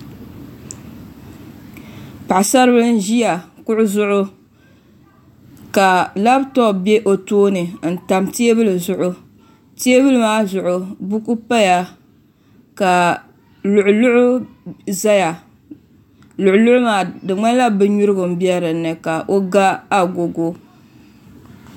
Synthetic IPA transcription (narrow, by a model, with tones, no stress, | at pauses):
pa˨ʔsa˦ɾbɨ˦lɨ˦n̩˦ʒi˦ja˨kʊ˦ʔʊ˦zʊ˦ʔʊ˦ | ka˨la˦btɔ˦˨be˦ʔo˨toː˦nɨ˨n̩˨ta˨mti˦e˦bɨ˦lɨ˨zʊ˨ʔʊ˦ | ti˦e˦bɨ˦lɨ˦maː˦zʊ˨ʔʊ˨bu˦ku˦pa˦ja˨ | ka˨ | lʊ˨ʔʊ˨lʊ˦ʔʊ˦ | za˦ja˨ | lʊ˨ʔʊ˨lʊ˦ʔʊ˦maː˨˦dɨ˨ŋ͡ma˦la˦bɨ˦ɲu˦ɾɨ˦ɡʊ˨m˨bi˦ɛ˦ɾɨ˨nːɨ˨ka˨ʔo˦ɡa˦a˨ɡo˨ɡo˦